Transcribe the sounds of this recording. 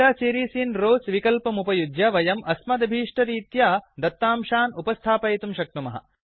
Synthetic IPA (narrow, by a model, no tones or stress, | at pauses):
aːsiːɾiːsiːnɾoːsʋikɐlpɐmupɐjud̪jɐʋɐjɐmʔɐsmɐd̪ɐbʱiːʂʈɐɾiːt̪jaːd̪ɐt̪ːaːmʃaːnupɐst̪ʰaːpɐjt̪umʃɐk̚ʈ̪umɐɦɐ̰